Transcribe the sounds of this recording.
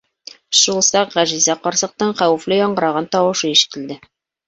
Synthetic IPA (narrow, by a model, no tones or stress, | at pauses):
ʃulˠsɑqʁæʒizæqɒɾsɤ̆q̚t̪ɤɴχæwɘ̆flɘjɒɴɢɤ̆ɾɑʁɑnt̪ɒwɤ̆ʃɤiʃk̪ɘ̆ld̪ɘ